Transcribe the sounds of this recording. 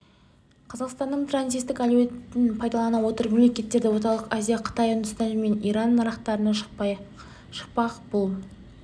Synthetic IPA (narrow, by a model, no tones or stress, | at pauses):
qʰɑzɑqst̪ɑnːəɴt̪rant̪sij̪t̪ːɪkaluwet̪ɪnpʰɑjd̪ɑlˠɑnɑwo̞t̪əɾme̞mle̞kʲe̞t̪ːe̞ɾd̪ɪwo̞t̪ɑlˠəqazijaqʰə̥t̪ɑjʊnd̪ʊst̪ɑnme̞nijɾɑnːɑɾɑqt̪ɑɾənɑ | ʃə̥q̚pɑqbʊlˠ